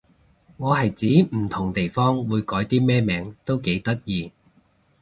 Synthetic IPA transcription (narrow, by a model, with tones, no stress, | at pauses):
ŋɔː˨˧ɦɐ˨jt͡siː˨˥m̩˨˩t̪ʰʊ˨˩ŋt̪e˨jfɔː˥ŋwuː˨˧jkɔː˨˥jt̪iː˥mɛː˥mɛː˨˧ŋt̪o˥wke˨˥jt̪ɐ˥k̚jiː˨˧